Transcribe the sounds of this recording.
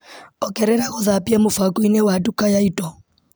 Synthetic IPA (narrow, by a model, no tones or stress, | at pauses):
ɔkɛɾɛɾaɣoðapiamofakoinewadukajaitɔ